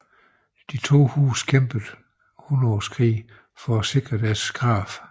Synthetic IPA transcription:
d̥it͡sʰo̝̰ːhṵːskʰemb̥əð̩ˠ | hunɒskʰʁḭː | fɒ̽æse̝ɡ̥ʁɐd̥æɐsɡ̥ʁɑ̈ːf

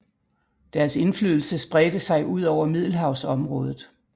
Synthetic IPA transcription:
d̥æɐse̝nflyðˠl̩səsb̥ʁɛd̥əsɑ̈ɪʔuð̞̰ˠɒʊɐmið̞̰ˠl̩ɦɑ̈ʊsɒ̽mʁɔ̽ːð̞ˠð̩ˠ

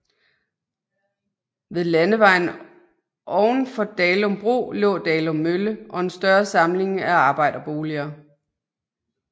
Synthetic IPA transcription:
ʋe̝ðˠlænəʋɑ̈ɪ̰n | ʔɒʊn̩fɒ̽d̥ɛːlɔ̽mb̥ʁo̝̰ːlɔ̰̽ːd̥ɛːlɔ̽mːøləʔɒ̽e̝nsd̥ɶɐsɑ̈mle̝ŋæɑ̈ːb̥ɑ̈ɪ̰d̥ɐb̥o̝ːliɐː

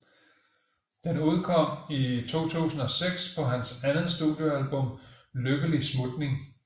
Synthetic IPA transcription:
d̥enuð̞ˠkʰɒ̽m̰it͡sʰo̝̰ːt͡sʰṵːsn̩ɒ̽seɡ̥spʰɒ̽ɦænsænð̩ˠsd̥uðˠjo̝ælb̥ɔ̽m̰ | løɡ̥əlismud̥ne̝ŋ

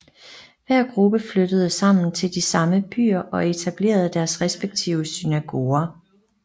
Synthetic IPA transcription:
ʋæɐ̰ɡ̥ʁub̥əflød̥əð̞̩ˠəsɑ̈m̰n̩t͡sʰe̝ld̥isɑ̈məb̥y̰ːɐʔɒ̽e̝t͡sʰæb̥le̝̰ːɐð̞̩ˠd̥æɐsʁɛsb̥eɡ̥̚t͡sʰiʊəsynæɡ̥o̝ːɐ

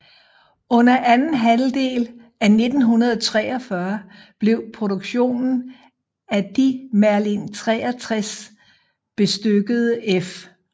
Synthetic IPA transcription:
ɔ̽n̰ɐʔænn̩ɦæld̥e̝̰ːl | æne̝d̥n̩ɦunɐð̞ˠt͡sʰʁɛːɐfɶɐ | b̥le̝ʊpʰʁo̝ɾo̝ɡ̥ɕo̝̰ːnn̩ | æd̥imæɐlint͡sʰʁɛ̰ːɐt͡sʰʁas | b̥e̝sd̥øɡ̥əð̞ˠəʔef

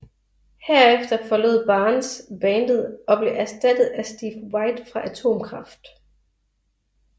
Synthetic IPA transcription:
heɐ̰efd̥ɐfɒ̽lo̝ð̰ˠb̥ɑ̈ːnsb̥ɛːnd̥əð̩ˠɒ̽b̥le̝ʔæɐsd̥æd̥ð̩ˠæsd̥iːfwɑ̈ɪd̥fʁɑ̈ʔæt͡sʰo̝̰ːmkʰʁɑ̈fd̥

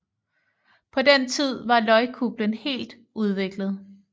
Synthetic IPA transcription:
pʰɒ̽dent͡sʰið̞̰ˠʋɑ̈lɒ̽ɪkʰub̥lənhe̝̰ːld̥ | uð̞ˠʋe̝ɡ̥ləð̞̩ˠ

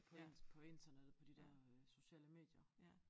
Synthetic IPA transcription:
pʰɒpʰɒ̽e̝nd̥ʰɐned̥ð̩ˠpʰɒ̽d̥id̥ɛɐ̰so̝ɕɛ̰ːləme̝̰ːd̥jɐ

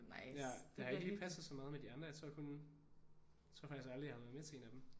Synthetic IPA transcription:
jæd̥ehɑeɡəlipʰæsð̩ˠsɒ̽mɑ̈ːðˠmed̥iɑ̈nd̥ʁɐjɑt͡sʰʁɔ̰ɐkʰon | t͡sʰʁɔɐfɑ̈ɡ̥isɡ̥ɑ̈ld̥ʁihɑʋæɐmet͡sʰe̝e̝ːnæd̥em

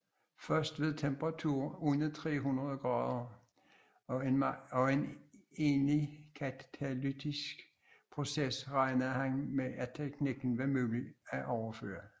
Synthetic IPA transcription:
fɶɐsd̥ʋe̝ðˠt͡sʰemb̥ʁɑt͡sʰuɐ̰unət͡sʰʁɛ̰ːɦunʁɐðˠɡ̥ʁɑ̈ːðˠɐ | eɒ̽e̝ne̝ːnlikʰæt͡sʰælid̥ʰisɡ̥ | pʰʁo̝sesʁɑ̈ɪnɐhænmeʔæt͡sʰeɡ̥niɡ̥n̩ʋæmyːliæʔɒʊɐfø̰ːɐ

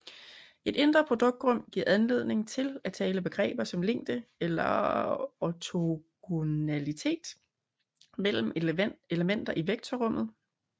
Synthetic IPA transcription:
e̝d̥e̝nd̥ʁɐpʰʁo̝d̥ɔ̽ɡ̥̚d̥ʁɔ̽m̰ɡ̥iɐ̰ænle̝ð̞̰ˠne̝ŋt͡sʰe̝læt͡sʰɛːləb̥e̝ɡ̥ʁɛ̰ːb̥ɐsɒ̽mle̝ŋ̰d̥əelɐ | ɒt͡sʰoɡ̥onælit͡sʰe̝̰ːd̥ | mel̰m̩e̝ləmen̰d̥ɐʔiʋeɡ̥̚t͡sʰɒʁɔ̽m̰ð̞̩ˠ

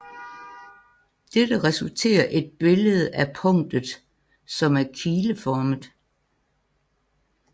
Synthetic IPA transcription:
d̥ed̥əʁɛsult͡sʰe̝̰ːɐʔe̝d̥̚b̥e̝ləð̞̩ˠæpʰɔ̽ŋ̰d̥ð̩ˠ | sɒ̽mæɐkʰiːləfɒːməð̩ˠ

